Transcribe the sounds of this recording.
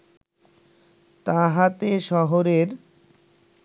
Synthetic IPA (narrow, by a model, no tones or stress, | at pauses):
t̪aɦat̪eʃɔɦoɾeɾ